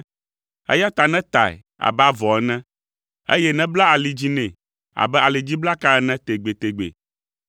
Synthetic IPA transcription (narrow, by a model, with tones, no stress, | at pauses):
ḛ˦ja˦t̪a˨nɛ̃˦t̪a̰˨ɛ̰˨ | a̰˨ba˦vɔ˨ɛ˦nɛ̃˦ | ḛ˦jɛ˦nɛ̃˦bla˦a˨li˨d͡ʑi˦nɛ̃˨ | a̰˨bɛ˦a˨li˨d͡ʑi˦bla˦ka˦ɛ˦nɛ̃˦t̪e˨ɡ͡be˨t̪e˨ɡ͡bḛ˨